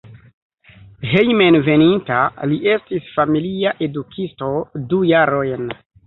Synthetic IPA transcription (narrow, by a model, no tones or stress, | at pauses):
hejmenve̞nintaliʔe̞stisfamiliaʔe̞dukʰisto̞dujaɾo̞jn